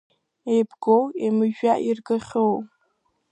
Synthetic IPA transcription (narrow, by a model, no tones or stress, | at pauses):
ejbɡowemɨʒᶣaʔirɡɨχʲow